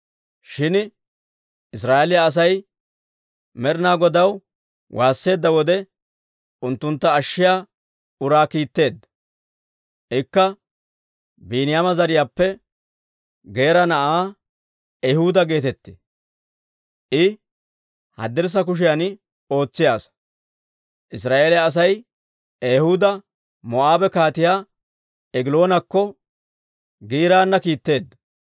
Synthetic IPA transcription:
ʃɪn | ɪs̬ɾaːʔelɪjaːs̬ɐj | mɛɾnaːɡɔd̪ɐw | wʔaːsːe̞ːd̪ːɐwɔd̪ɛ | ʊnt̪ːʊnt̪ːɐːʃːɪjaː | ʊɾaːkiːt̪ːe̞ːd̪ːɐ | ʔɪkːɐ | biːnɪjamɐzɐɾɪjaːpːɛ | ɡe̞ːɾɐnɐʔaː | ɛjhʊd̪ɐɡe̞ːt̪ɛt̪ːe̥̰ | ʔɪ | hɐ̰d̪ːɛɾs̬ɐk̬ʊʃ̬ɪjanɪ | o̞ːt͡sːɪjaːs | ʔɪs̬ɾaːʔeːlɛːs̬ɐj | eːhʊd̪ɐ | mɔʔaːbɛkaːt̪ɪjaː | ɛɡɪlo̞ːnɐkːɔ | ɡiːɾaːnːɐkiːt̪ːe̞ːd̪ːɐ

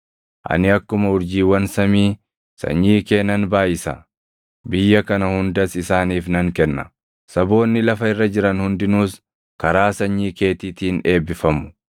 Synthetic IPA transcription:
ʔɐ̰nɪɐkːʊmɐʊɾd͡ʒiːwɐnsɐmiː | sɐ̰ɲːiːke̞ːnɐnbaːjɪsɐ̰ | bɪjːɐkɐnɐhʊnd̪ɐsɪsaːniːfnɐŋkɛnːɐ | sɐbo̞ːnːɪlɐfɐɪrːɐd͡ʒɪɾɐnhʊnd̪ɪnuːs | kɐɾaːsɐɲːiːke̞ːt̪it̪iːne̞ːbːɪfɐmʊ̥

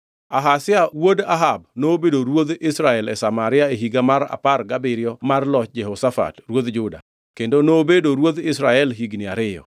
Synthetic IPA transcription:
aɦasɪawodaɦabnoːbedoɾwod̪ɪsɾaɛlɛsamaɾɪaeɦiɡamaɾa̰parɡabɪɾɪɔmarlɔt͡ʃd͡ʒɛɦɔsafa̰trwod̪d͡ʒʊda̰ | kendonoːbedoɾwod̪ɪsɾaɛlɦiɡnɪaɾɪjɔ̰

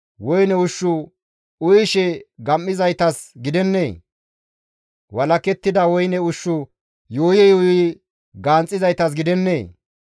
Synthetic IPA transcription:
wɔjnɛʊʃːʊ | ʊjʃɛɡɐmːɪzɐjt̪ɐsɡɪd̪ɛnːeː | wɐlɐkɛt̪ːɪd̪ɐwɔjnɛʊʃːʊ | joːjɛjoːɪ | ɡaːnt͡sʼːɪzɐjt̪ɐs̬ɡɪd̪ɛnːeː

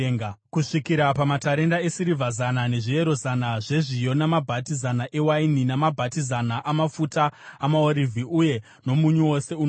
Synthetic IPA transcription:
kuʂikiɾapamataɾe̞ndaesiɾivʱazanane̞ʐie̞ɾo̞zanaʐe̞ʐijo̞namabʱatizanaʔe̞waininamabʱatizanaʔamafutaːmaoɾivʱiʔuje̞ | no̞muɲuwo̞se̞un

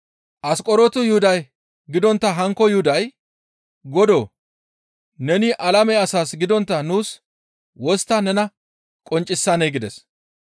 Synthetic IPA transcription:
ʔɐskʼɔɾɔt̪ʊjʊhʊd̪ɐj | ɡɪd̪ɔnt̪ːɐɦɐŋkːɔjʊhʊd̪ɐj | ɡɔd̪oː | nɛnɪʔɐlɐmɛɐsaːsɡɪd̪ɔnt̪ːɐnuːs | wɔst̪ːɐnɛnɐ | kʼɔnt͡ʃʼːɪsːɐnejɡɪd̪ɛs

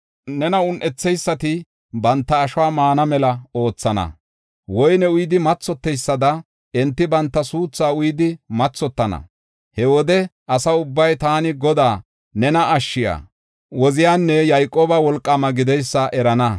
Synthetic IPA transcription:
nɛnɐʊnʔɛt͡sːɛjsːɐt̪ɪ | bɐnt̪ːɐːʃwaːmaːnɐmɛlɐo̞ːt͡sːɐnɐ̰ | wɔjnɛʊjd̪ɪmɐt͡sːɔt̪ːɛjsːɐd̪ɐ | ɛnt̪ːɪbɐnt̪ːɐsuːt͡sːaːʊjd̪ɪmɐt͡sːɔt̪ːɐnɐ̰ | hɛwɔd̪ɛʔɐsɐʊbːɐjt̪aːnɪɡɔd̪aː | nɛnɐɐʃːɪja̰ː | wɔzɪjaːnːɛjɐjkʼːoːbɐwɔlkʼːɐmɐɡɪd̪ɛjsːɐʔɛɾɐnɐ

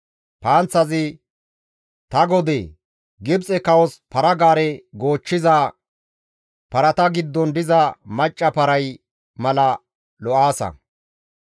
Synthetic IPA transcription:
paːnt͡sːɐzɪ | t̪ɐɡɔd̪eː | ɡɪbt͡sʼɛkɐwɔspɐɾɐɡaːɾɛɡo̞ːt͡ʃːɪzɐ | pɐɾɐt̪ɐɡɪd̪ːɔnd̪ɪzɐmɐt͡ʃʼːɐpɐɾɐj | mɐlɐ | lɔʔaːsɐ̰

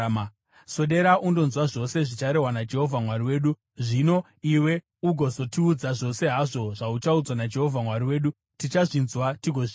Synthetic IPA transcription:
so̞ɗe̞ɾaʔundo̞nzwaʐo̞se̞ʐit͡ʃaɾe̞ɦwanad͡ʒe̞ɦo̞vʱamwaɾiwe̞ːɗu | ʐino̞ | iwe̞ | uɡʱo̞zo̞tiud͡zaʐo̞se̞ɦaʐo̞ʐaut͡ʃaud͡zwanad͡ʒe̞ɦo̞vʱamwaɾiwe̞ːɗu | tit͡ʃaʐinzwatiɡʱo

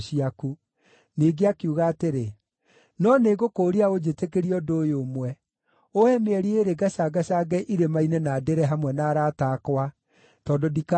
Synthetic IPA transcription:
ʃiaku | neɡeakiuɣaːteɾe | nɔneɣokoːɾiaod͡ʒetekeɾiɔdojomwɛ | oɛmeɛɾieɾeɡaʃaɡaʃaɡɛʔiɾemainɛnadeɾɛɦamwɛnaːɾaːtaːkwa | tɔːndodika

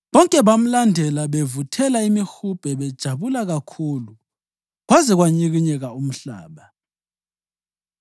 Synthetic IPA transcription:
βɔŋkʼɛβam̩landʱɛlaβevutʰɛlaimixub̥ʱɛβɛd̥ʒ̥ʱaβulaɣakʰulu | ɣwazɛɣwaɲiɣiɲɛɣaum̩ɬa̰ːβa

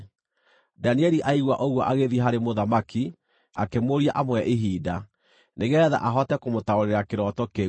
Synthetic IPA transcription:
daniɛɾiʔaiɣwaʔoɣwɔʔaɣeðiɦaɾemoðamaki | akemoɾiaʔamwɛʔeɦiːda | neɣɛða̰ʔaɦɔtɛkomotaoɾeɾakeɾɔtɔke

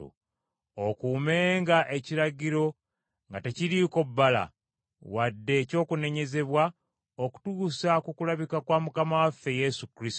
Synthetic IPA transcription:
ṵ | okume̞ːŋɡaʔe̞ciɾaɟiɾo̞ | ŋɡateciɾiko̞bːala̰ | wadːe̞co̞ːkune̞ɲe̞ze̞βwa | oku̥tuːsakukulaβikakwaːmukamawafe̞je̞sukɾis

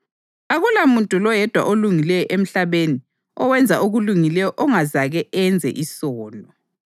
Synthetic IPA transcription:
aɣulamuntʼulɔjɛd̥ʱwa̰ʔoluŋilɛjɔʔem̩ɬaβeni | ɔwɛnd͡zʱaʔuɣuluŋilɛjɔʔɔŋazaɣɛɛnd͡zʱɛ̰ʔisɔːlɔ

